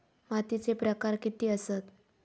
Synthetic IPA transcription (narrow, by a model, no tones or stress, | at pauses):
mat̪it͡sepɾəkaɾkit̪iːəsət̪